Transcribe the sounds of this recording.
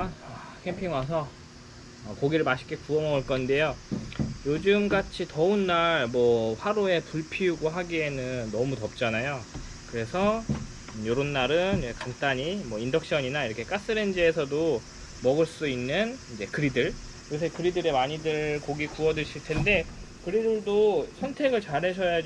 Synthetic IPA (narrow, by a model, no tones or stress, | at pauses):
ana | kʰe̞mpʰiŋwas̬ʰʌ | ʌkoɡiɾɯɭmaɕʰi̥k͈ʰekuʌmʌuɭk͈ʌnde̞jo | jod͡ʑɯmɡat͡ɕʰitʌunːaɭmwʌɸwaɾoe̞puɭpʰiuɡoɦaɡie̞nɯnːʌmutʌp̚t͡ɕ͈anajo | kɯɾe̞sʰʌ | joɾonːaɾɯnid͡ʑekaŋt͈aɲimwʌindʌk̚ɕ͈ʌɲinaiɾʌkʰe̞k͈as͈ɯɾe̞nd͡ʑɯe̞sʰʌdo | mʌɡɯɭs͈uinːɯnind͡ʑe̞kɯɾidɯɭ | iɡʌs̬ʰekɯɾidɯɾe̞maɲidɯɭkoɡikuʌdɯɕʰiɭtʰe̞nde̞kɯɾidɯɭdosʰʌntʰe̞ɡɯɭt͡ɕaɾɦe̞ɕʰʌja